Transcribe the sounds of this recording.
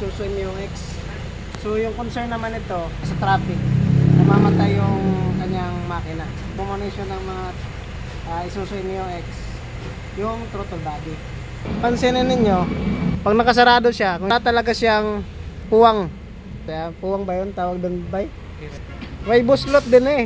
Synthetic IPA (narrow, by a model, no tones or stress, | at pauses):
suːsʊɪnjʊŋɛks | sojʊŋkonsɛɹnːɐmanɪt̪o̞ | sɐt̪ɾaːfɪk̚sʊmaːmɐt̪ajʊŋkɐɲaŋmaːkɪnɐ | bʊmɐnɪʃonɐŋmɐŋa | ʔaɪsuːsʊʔɪnːɪjʊŋʔɛks | jʊŋt̪ɾot̪olbaːɡɪ | pɐnsɛnɐnɪɲo̞pɐɡ̚nɐkɐs̬ɐɾaːd̪oʃakʊŋt̪ɐlɐɡasaŋpuwaŋ | sɐjapuːwɐŋbɐjont̪aːwɐɡ̚d̪ʊnbaj | wajbʊslot̪̚d̪ɪnɛ